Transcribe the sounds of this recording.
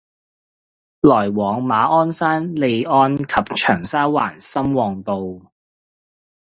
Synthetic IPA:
lɔː˨˩jwɔː˨˧ŋmaː˨˧ʔɔː˥nsaː˥nle˨˧jɔː˥nkʰɐ˨p̚t͡ʃʰœː˨˩ŋsaː˥wa̰ː˨˩nsɐ˥mwɔː˨˩ŋpo˨˧w

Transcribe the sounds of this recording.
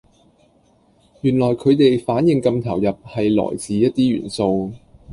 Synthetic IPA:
jyː˨˩nlɔː˨˩jkʰɵ˨˧ɥt̪e˨jfaː˨˥njɪ˨ŋkɐ˧mt̪ʰɐ̰˨˩wjɐ˨p̚hɐ˨jlɔ̰ː˨˩jt͡siː˨˧jɐ˥t̚t̪iː˥jy̰ː˨˩nso˧w

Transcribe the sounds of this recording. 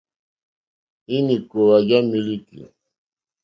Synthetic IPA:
i˦ni˨ko˨wa˨d͡ʒa˦mi˦li˦kḭ˨

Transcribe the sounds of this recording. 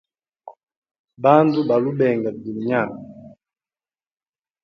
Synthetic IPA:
ba˦ntu˦ba˨lu˦bɛ˨ŋɡa˨d͡zi˨ɲa˦˨ŋa˨

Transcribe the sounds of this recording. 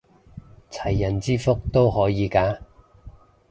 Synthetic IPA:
t͡sʰɐ˨˩jːɐ˨˩nt͡siː˥fʊ˥k̚t̪o˥whɔː˨˥jiː˨˧kaː˧˥

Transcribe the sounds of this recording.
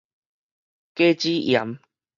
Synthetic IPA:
ke˦t͡ɕi˦ʔja˨˦m

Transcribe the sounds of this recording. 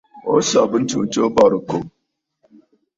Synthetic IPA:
o˦sa˨bu˦n˦t͡ʃo˨t͡ʃo˦bɔ˨ɾu˨ko˨

